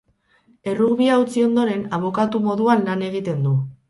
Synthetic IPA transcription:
e̞ruɣβiaut͡sio̞nd̪o̞ɾe̞naβo̞kat̪umo̞ðuanlane̞ɣ̞it̪e̞nd̪u

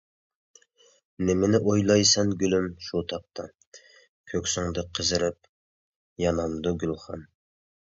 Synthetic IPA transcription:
nɪmɪnɪʔojlˠɑjsɑnɡʲylymʃut̪ʰɑq̚t̪ɑ | kʲʰøkʲsuŋd̪ɨqʰəzɨɾɪp̚ | jɑnɑmd̪uɡʲylˠχɑ̰n

